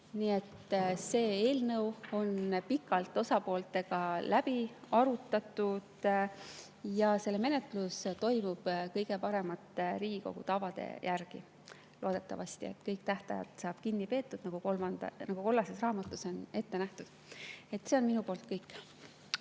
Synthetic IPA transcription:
nie̞t̪se̞ːe̞ːlnɤwo̞npikːˑɑlt̪ːˑo̞sɑpo̞ːlt̪ːˑe̞ɡ̥ɑlʔæb̥iɑɾut̪ːˑɑt̪ːˑud̪̥ | jɑse̞lːeme̞ne̞t̪lust̪o̞jmub̥kɤjɡ̥e̞pɑɾe̞mɑt̪ːˑɾiːɡ̥iko̞̰ɡ̥ṵt̪ɑvɑd̪̥e̞̰jʔærɡ̥ḭ | loːd̪̥e̞t̪ˑːɑ̰vɑst̪ie̞̰t̪kɤjkt̪æht̪ɑ̰jɑ̰t̪sɑːb̥kinːipe̞ːt̪ːˑud̪̥nɑɡ̥uoɑnɑɡ̥uko̞lːɑsesrɑːmɑt̪ːˑuso̞ne̞t̪ːe̞næht̪ud̪̥ | e̞t̪ːse̞o̞nminupoːlt̪ˑkɤjkːˑ

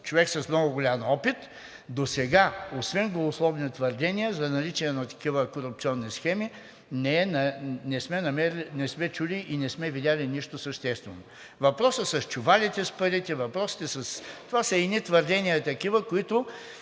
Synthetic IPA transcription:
t͡ʃovɛksɐsmnɔɡʊɡʊlʲamɔpit̪ | d̪osɛɡaosvɛnɡlˠɐvʊslˠɔvnit̪vɐɾd̪ɛnʲijəzɐnɐlit͡ʃɛɛnɐt̪ɐ̥kivəkoɾʊp̚t̪siɔnːisxɛmi | nɛɛnnɛsmɛnɐmɛɾnɛsmɛt͡ʃuliʔinɛsmɛvid̪ʲalʲiniʃt̪ʊsəʃt̪ɛst̪vɛno | vɐpɾɔsəsɐst͡ʃʊvalʲit̪ɛspɐɾit̪ɛvɐpɾɔsi̥t̪ɛsɐst̪ovasɐinit̪vəɾd̪ɛnʲijət̪ɐkivəkʊit̪ʊ

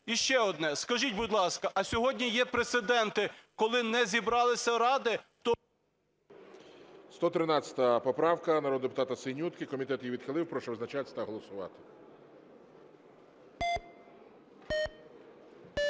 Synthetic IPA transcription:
iʃt͡ʃɛɔd̪nɛskɐʒitʲbʊd̪ʲlˠɑskɐʔɐsʲɔɦɔdʲnʲijɛpɾet̪sɪd̪ɛnt̪ɪkɔlˠɪnɛzʲibɾɑlˠɪsʲɐɾɑd̪ɪt̪ɔ | st̪ɔt̪ɾɪnɑt͡sʲɐ̥t̪ɐɐpɔpɾɑwkɐnɐɾɔd̪d̪epʊt̪ɑt̪ɐsɪnʲut̪kɪkɔmʲit̪ɛt̪jiʋʲid̪xɪlˠɪwpɾɔʃɛwznɐt͡ʃat̪ʲt̪ɐɦɔlˠɔsʊʋɑ̰t̪ɪ̥

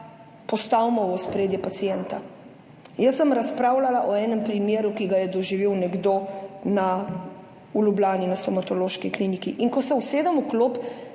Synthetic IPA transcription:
pɔst̪awmɔʋɔspɾeːd̪jɛpat̪sijɛnt̪a | jəsːəmɾaspɾaːwlalaʔɔɛːnɛmpɾimjeːɾukiɡajɛd̪ɔʒiʋiwnɛɡd̪oːna | ulʲublʲaːninast̪ɔmat̪ɔloːʃkiklinikiʔiŋkɔsɛwseːd̪əmukloːp

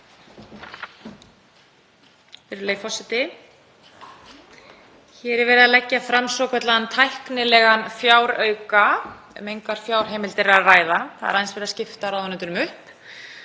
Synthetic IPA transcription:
fɛɾɪɾleːjfɔsɪt̪ɪ | çɛːɾɛɾvɛːɾɪðalɛcːafɾamsɔwkʰvɛt̪laðant̪ʰajhknɪlɛɣanfjaːwɾœɥka | mejŋkaɾ̥fjaːwɾ̥ɦejmɪlt̪ɪɾɾaraːjðaθa̰ðɛ̰ɾajðnsvɛɾɪðascɪft̪aɾawðanʏnt̪ʏɾʏmʏhp

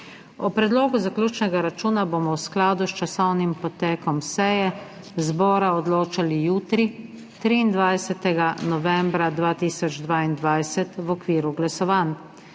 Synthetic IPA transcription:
ɔpɾɛd̪loːɡuzaklʲjuːt͡ʃnɛɡaɾat͡ʃuːnaboːmɔwsklaːd̪ust͡ʃasɔwnimpɔt̪ɛːkɔmsɛjɛ | zbɔːɾaɔd̪loːt͡ʃalijuːt̪ɾi | t̪ɾiːnd̪ʋajsɛt̪ɛɡanɔʋɛmbɾad̪ʋaːt̪iːsɔd͡ʒd̪ʋaːind̪ʋajsɛt̪ʋɔkʋiːɾuɡlasɔʋaːn

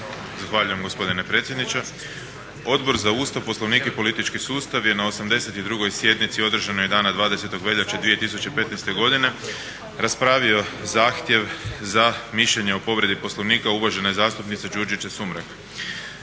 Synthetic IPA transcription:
zaxʋaːʎujemɡo̞spo̞d̪inepɾet̪sjed̪nit͡ʃe | o̞d̪bo̞ɾzauːst̪aʋposlˠo̞ʋniːkepo̞lit̪it͡ʃkisuːst̪aʋje̞nao̞samd̪e̞se̞t̪id̪ɾuɡo̞jsje̞d̪nit̪sio̞d̪r̩ʒanojed̪aːnad̪ʋaːd̪ese̞t̪o̞ɡʋe̞ʎat͡ʃad̪ʋije̞t̪isut͡ʃepe̞t̪nejst̪e̞ɡo̞d̪ine̞ | ɾaspɾaːʋio̞zaːxt̪je̞ʋzamiʃʎeɲeopo̞ʋɾe̞d̪ipo̞slˠoʋniːkauʋaʒe̞nezaːst̪upnit̪sed͡ʒuɾd͡ʒit͡ʃasumɾak

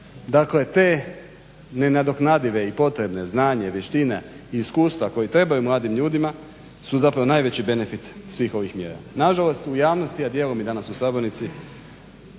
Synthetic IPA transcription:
d̪akle̞t̪e̞ː | ne̞nad̪o̞knad̪iʋe̞ipo̞t̪ɾe̞bne̞znaːɲe̞ʋjeʃt̪ineiːskuːst̪ʋako̞jit̪ɾe̞bajumlˠaːd̪imʎuːd̪ima | suzapɾaʋo̞naːjʋe̞t͡ɕibe̞ne̞fit̪sʋiːxo̞ʋixmjeɾa̰naʒalˠo̞st̪ujaːʋno̞st̪iad̪je̞ːlomid̪anasusaboɾnit̪si

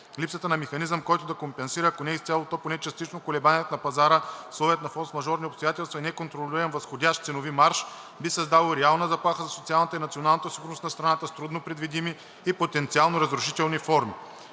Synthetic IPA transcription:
lipsət̪ənɐmɛxɐnizəmkɔjt̪ʊd̪ɐkompɛnsiɾəːkonɛist̪sʲalˠot̪oponɛt͡ʃɐst̪it͡ʃnokolɛbaniɛt̪nɐpɐzaɾəslˠɔvɛɛt̪nɐfɔt̪smɐʒɔɾniopst̪ojat̪ɛlˠst̪vɐinɛkont̪ɾolʲiɾənvɐsxodʲaʃt̪t̪sɛnovimaɾʃ | bisɐzd̪alˠoɾɛalˠnəzɐplˠaxəzɐsot̪sialˠnət̪əinɐt̪sionalˠnət̪əsiɡʊɾnost̪nɐst̪ɾɐnat̪əst̪ɾud̪nopɾɛd̪vid̪imiː | pot̪ɛnt̪sialˠnoɾɐzɾʊʃit̪ɛlˠnifɔɾmi

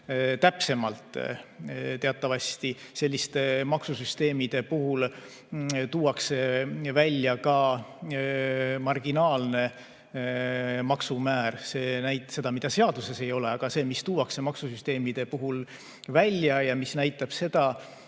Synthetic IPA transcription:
t̪æpse̞mɑlt̪ˑ | t̪e̞ɑt̪ːˑɑvɑst̪ise̞lʲːist̪emɑksusyst̪e̞ːmid̪̥e̞puɦul | t̪uːwɑkse̞vælʲːjɑkɑ | mɑrɡ̥inɑːlne̞ | mɑksumæːɾse̞ːnæjt̪se̞d̪ɑmid̪̥ɑse̞ɑd̪̥use̞se̞jo̞le̞ɑɡ̥ɑse̞ːmist̪uːwɑkse̞mɑksusyst̪eːmid̪̥e̞puɦul | vælʲjɑjɑmisnæjt̪ːˑɑb̥se̞d̪̥ɑ

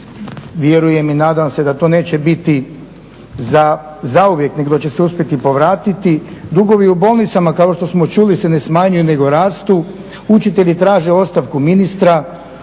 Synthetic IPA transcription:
ʋje̞ɾuje̞minaːd̪amse̞d̪at̪o̞ːne̞ːt͡ɕe̞bit̪i | za | zauʋje̞kneɡd̪ot͡ɕe̞seuspʲjet̪ipo̞ʋɾaːt̪it̪id̪uɡo̞ʋiubo̞ːlˠnit̪samakao̞ʃt̪osmot͡ʃuːlise̞ne̞smaːɲujune̞ɡo̞ɾaːst̪u | ut͡ʃit̪eʎit̪ɾaːʒe̞o̞t̪st̪aʋkuminist̪ɾa

